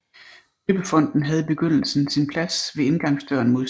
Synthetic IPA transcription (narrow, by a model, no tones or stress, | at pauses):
eb̥əfɒ̽n̰d̥n̩ɦæð̞̩ˠb̥e̝ɡ̥øn̰l̩sn̩sinpʰlæsʋe̝e̝nɡ̥ɑ̈ŋsd̥øɐ̰nmo̝ðˠ